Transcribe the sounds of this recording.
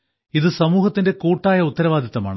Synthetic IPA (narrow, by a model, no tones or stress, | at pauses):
iðɨsɐmuːhɐt̪ːinde̞kuːʈːaːjɐut̪ːɐɾɐʋaːd̪ʱɐðɐma̰ːɳɨ